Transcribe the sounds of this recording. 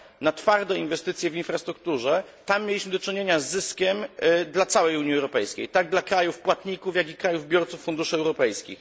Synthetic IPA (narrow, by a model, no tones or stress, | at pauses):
nat̪faɾd̪ɔinvɛst̪ɘt̪sʲjɛvinfɾast̪ɾuk̚t̪uʐɛt̪amːjelʲiɕmɘd̪ɔt͡ʂɘɲeɲazːɘskʲɛmd̪lat̪sawɛjuɲiɛwɾɔpɛjskʲḛjt̪aɡ̚d̪lakɾajufpwat̪ɲikufjaɡikɾajuvbʲjɔɾt̪sufːund̪uʂɘɛwɾɔpɛjskʲḭx